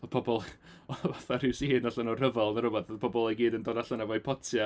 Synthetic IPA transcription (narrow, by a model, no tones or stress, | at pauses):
ɔpʰɔbɔlˠɔvaθarɪwsihɨnaɬanɔrəvalˠnaɾʊbɔθpʰɔbɔlˠɛjɡiːdəndɔːdaɬanavɔipʰɔtʰja